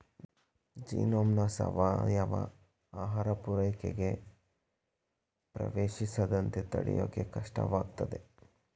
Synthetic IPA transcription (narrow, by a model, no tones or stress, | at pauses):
d͡ʒiːnoːmnɐsɐʋaːjaʋɐ̰ | aːɦaːɾɐpuɾɐjkeɡe̞ | pɾɐ̰ʋeːʃisɐd̪ɐnt̪et̪ɐɽijo̰ːkːekɐʂʈɐ̰ʋaːɡt̪ɐd̪e̞